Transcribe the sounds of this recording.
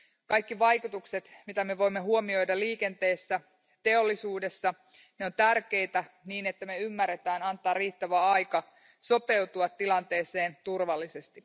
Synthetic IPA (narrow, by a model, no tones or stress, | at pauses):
kɑjkːiʋɑjkut̪ukset̪mit̪æme̞ʋo̞jmːe̞ɦuomio̞jdɑliːke̞nt̪e̞ːsːæ | t̪e̞o̞lːisuːdesːɑ | neo̞nt̪ærk̟e̞jt̪æ | niːne̞t̪ːæmeymːærːet̪æːnɑnt̪ɑːrriːt̪ːæʋæɑjkɑ | so̞pe̞wt̪uɑt̪ːilɑnt̪e̞ːse̞ːnt̪urʋɑlːise̞st̪i